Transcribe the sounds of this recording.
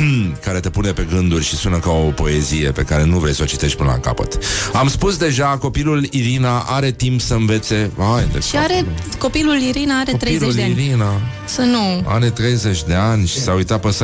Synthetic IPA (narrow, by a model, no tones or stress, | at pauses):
kaɾe̞t̪e̞pune̞pe̞ɡɨnd̪urʲʃisunəkao̞po̞e̞zije̞pe̞kaɾe̞nuvɾesʲsot͡ʃit̪e̞ʃt̪̚ʲpɨnə̰la̰ka̰pə̰t̪amspusd̪e̞ʒako̞piluliɾinaʔaɾe̞t̪impsəɨnve̞t̪se̞ajnd̪eʃiaɾeko̞piluliɾinaaɾet̪ɾejleudeaiɾina | sənua̰ɾe̞t̪ɾe̞jze̞t͡ʃʲd̪e̞anʲʃi̥saujt̪at̪̚pəsa